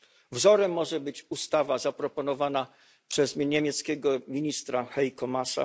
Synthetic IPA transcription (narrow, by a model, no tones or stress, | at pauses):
vzɔɾɛmːɔʐɛbɘt͡ɕust̪avazapɾɔpɔnɔvana | pʂɛzʲɲemʲjɛt̪skʲɛɡɔmʲiɲist̪ɾaxɛjkɔmasa̰